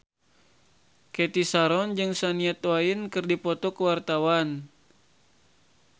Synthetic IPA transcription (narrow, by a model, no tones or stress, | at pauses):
kɛt̪isaɾɔnd͡ʒɨŋsaniɛt̪wainkɨrdipɔt̪ɔkəwart̪awan